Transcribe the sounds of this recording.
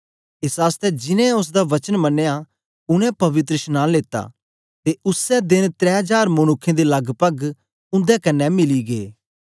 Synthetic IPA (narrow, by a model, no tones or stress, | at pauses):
ɪsaːst̪ɛd͡ʒɪnɛ̃ʊs̬d̪aʋɐt͡ʃənmɐnːeja | ʊnɛ̃pɐʋɪt̪ɾəʃnaːnleːt̪ːa̰ | t̪eʊsɛd̪ɪnt̪ɾɛ̃ːɦd͡ʒaːɾmʊnʊkʰːẽd̪elɐɡʱpɐɡ | ʊ̃nd̪ɛkɐnːɛmɪliɡeː